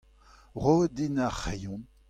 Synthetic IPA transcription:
ʁod̪inaχejɔ̃n

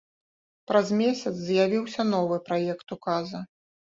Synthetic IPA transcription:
pɾɐzmʲesʲɐt̪sʲzʲjavʲiwsʲɐnɔvɨpɾajɛkt̪ukazɐ

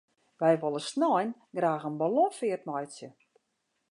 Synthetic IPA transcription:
ʋɛjʋolˠəsnɔjn | ɡraːɣənbalɔfɪətmɔjsjə

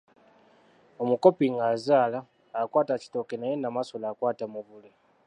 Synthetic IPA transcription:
o̞muko̞piŋɡazaːlaː | kwaːtaci̥to̞kenajenamasolakwaːtamuβule

